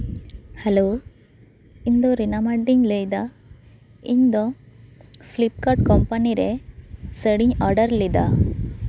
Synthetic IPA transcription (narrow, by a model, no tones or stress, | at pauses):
hɛloː | iɲd̪ɔ̃ɾinamaɖiɲləjd̪a | iɲd̪ɔ̃ | fʰlip̚kaʈ̚kɔmpaniɾɛsəɽiɲɔɾɖəɾlid̪a̰